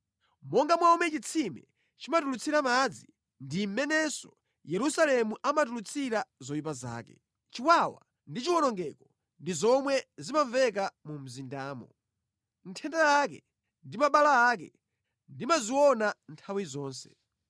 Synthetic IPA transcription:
mɔŋɡamwaumɛt͡ʃit͡sʰimɛ̰ | t͡ʃimatulut͡sʰiɾamad͡zi | ndim̩mɛnɛsɔ | jɛɾusalɛmuʔamat̬ulut͡sʰiɾazɔjip̬aza̰ːkɛ̰ | t͡ʃiwawa̰ | ndit͡ʃiwɔnɔŋɡɛkɔ | ndizɔmwɛzimaɱvɛk̬amum̩zindaːmɔ̰ | n̩tʰɛndaak̬ɛ | ndimaɓalaːkɛ̰ | ndimaziwɔnantʰawizɔːnsɛ̥

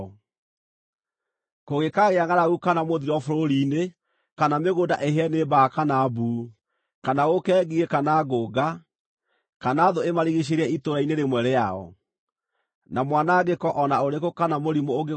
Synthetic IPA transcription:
ɔ | koɣekaɣeaŋaɾaɣukanamoðiɾɔfoɾoɾine | kanameɣodaʔeɦeɛnebakanabuː | kanaɣokɛːɣiekanaɡoːɡa | kanaːðoemaɾiɣiɕ̬eɾɛitoɾaineɾemwɛɾɛaɔ̰ | namwanaɡekɔʔɔnaoɾekokanamoɾimoːɡe

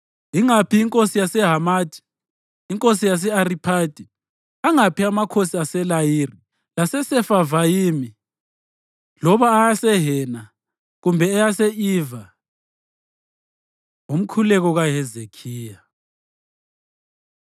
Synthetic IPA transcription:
iŋapʰiiŋkʼosijasɛɦamaːtʰʼi̥ː | ŋkʼosijas̬ɛaripʰad̥ʱʼi | aŋapʰiamakʰosiasɛlajiːri | lasɛsɛfavajimi | lɔβaːjasɛɦɛna | ɣumbʱɛːjasɛiːva | um̩kʰulɛɣɔɣaɦɛzekʰiːja

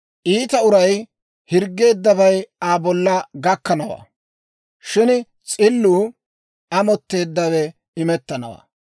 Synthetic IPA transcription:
ʔiːt̪ɐʊɾɐj | hɪɾɡːe̞ːd̪ːɐbɐjaːbɔlːɐɡɐkːɐnɐwa̰ː | ʃɪn | t͡sʼɪlːuː | ɐmɔt̪ːe̞ːd̪ːɐwɛ | ɪmɛt̪ːɐnɐ̰wa̰ː

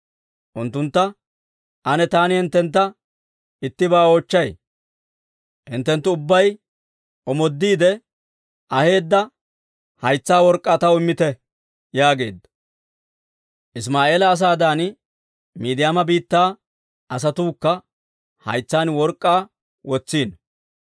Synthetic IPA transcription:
ʔʊnt̪ːʊnt̪ːɐ | ʔɐnɛt̪aːnɪhɪnt̪ːɛnt̪ːɐ | ɪt̪ːɪbaːoːt͡ʃːɐj | hɪnt̪ːɛnt̪ːʊʊbːɐj | ɔmɔd̪ːiːd̪ɛ | ʔɐhe̞ːd̪ːɐ | hɐjt͡sːaːwɔɾkʼːaːt̪ɐwɪmːɪt̪ɛ | jaːɡe̞̰ːd̪ːɐ | ʔɪs̬maːʔe̞ːlɐːs̬aːd̪aːn | miːd̪ɪjaːmɐbiːt̪ːaː | ʔɐs̬ɐt̪uːkːɐ | hɐ̰jt͡sːaːnwɔɾkʼːaː | wɔt͡sːiːn

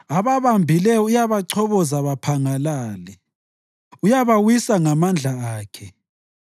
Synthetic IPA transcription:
aβaβambʱilɛujaβaǀʰɔβɔzaβapʰaŋalaːlɛ | ujaβawisaŋamand͡ɮʱaaːkʰɛ

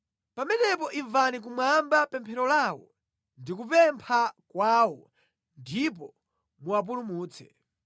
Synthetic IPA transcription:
pamɛnɛpɔʔiɱvanik̬umwambapɛmpʰɛɾɔlaːwɔ̰ | ndikupɛmpʰakwaːwɔ | ndip̬ɔ | muwap̬ulumuːt͡sɛ̥̰

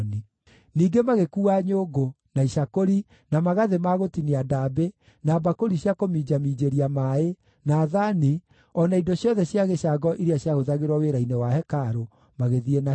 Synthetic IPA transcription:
ni | niːɡemaɣekuːaːɲoɡo | naiʃakoɾi | namaɣaðemaɣotiniadabe | naːbakoɾiɕjakomiːd͡ʑamiːd͡ʑeɾiamae | naːðani | ɔnaidɔɕjɔðɛɕjaɣeɕaɡɔʔiɾeaɕjaɣoðaɣeɾwaweɾainewahɛkaɾo | maɣeðiena

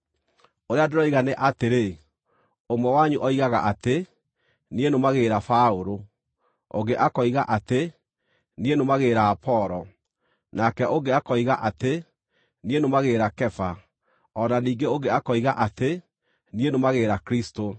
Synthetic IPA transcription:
oɾeadeɾɔiɣaneʔateɾe | omwɛwaɲuʔɔiɣaɣa̰ʔate | nienomaɣeɾafaoɾo | o̰ɡeʔakɔiɣaʔate | nienomaɣeːɾaːpʰɔɾɔ | nakɛʔoŋɡeakɔiɣaʔate | nienomaɣeːɾakɛfa | ɔnaniːŋɡeoɡeakɔiɣaʔate | nienomaɣeːɾakɾisto

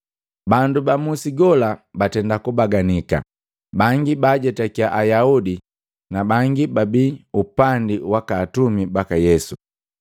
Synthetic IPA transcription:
bandubamusiɡɔlabatɛndakubaɡanika̰ | baŋɡibaɟɛtakiaʔajaudi | nabaŋɡibabiupandiwakaːtumibakajɛsu

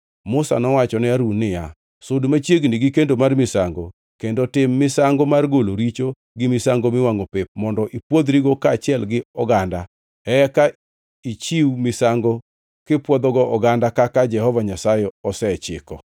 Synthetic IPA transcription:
mʊsa̰nɔwat͡ʃɔnɛaɾunɪja̰ | sʊdmat͡ʃjeɡniɡɪkendomarmɪsaŋɡo | kendotɪmːɪsaŋɡɔmarɡoloɾit͡ʃo | ɡɪmɪsaŋɡomɪwaŋopep̚mɔndɔʔipwod̪ɾiɡokaːt͡ʃɪɛlɡɪɔɡanda | ɛɛka | it͡ʃiwmɪsaŋɡɔ | kɪpwɔd̪ɔɡɔɔɡandakakad͡ʒɛhɔvaɲasajɛɔsɛt͡ʃɪ̰kɔ

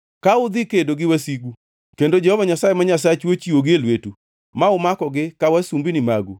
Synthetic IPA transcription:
kaʊd̪ɪkedoɡɪwasiɡu | kendod͡ʒɛhɔvaɲasaemaɲas̬at͡ʃwot͡ʃiwoɡɪelwetu | maʊmakɔɡɪkawasumbinɪmaɡu

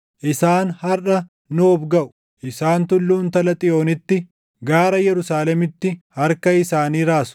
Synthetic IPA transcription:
ʔɪsaːnhɐrɐ | nʊɔbɡɐʔʊ̥ | ʔɪsaːnt̪ʊlːuːnt̪ɐlɐt̪ʼɪjo̞ːnɪt̪ːɪ | ɡaːɾɐjɛɾʊsaːlɛmɪt̪ːɪhɐɾkɐɪsaːniːɾaːsʊ̥

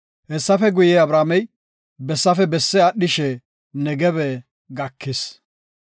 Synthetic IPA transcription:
hɛsːɐfɛɡʊjɛːɐbɾaːmɛj | bɛsːɐfɛbɛsːɛɐɗːɪʃɛ | nɛɡɛβɛ | ɡɐkʰːɪs

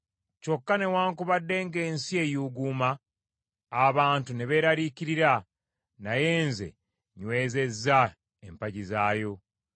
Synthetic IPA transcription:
co̞kːane̞waːŋkuβadːe̞ːŋɡe̞ːnsie̞juɡuːmaː | βaːntune̞βe̞ːɾaɾiciɾiɾa | naje̞ːnze̞̰ | ɲwe̞ːze̞zːa | ḛmpaɟizaːjo̞

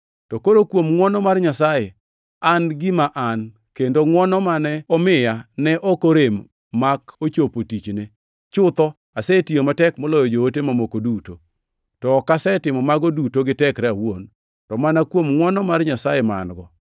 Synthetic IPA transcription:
tɔkoɾokwomŋwɔnɔmarɲasaje | anɡɪmaʔan | kendoŋwɔnɔmanɛɔmɪjanɛʔokoɾemː | akot͡ʃopotit͡ʃne | t͡ʃʊt̪ɔ | asɛtijomatɛkmɔlɔjɔd͡ʒootemamokoduto | tɔːkasɛtɪmɔmaɡɔdutoɡɪtɛkɾɛawon | tɔmanakwomŋwɔnɔmarɲasajema̰nɡɔ

